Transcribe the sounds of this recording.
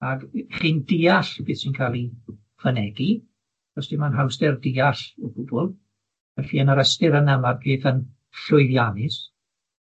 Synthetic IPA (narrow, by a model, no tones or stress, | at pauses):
aɡχiːndiːaɬb̥ɨːðsinkʰalˠi | fənɛɡi | rɔstimanɦawsdtɛrdɪːaɬɔb̥ʊbʊlˠ | ɛɬiːənəɾəstɪɾənəmarbɨːðən | ɬʊɨðjanɪs